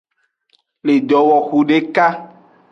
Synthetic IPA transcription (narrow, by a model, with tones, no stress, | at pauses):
le˨d̪ɔ˨wɔ˨xu˨ɖe˦ka˦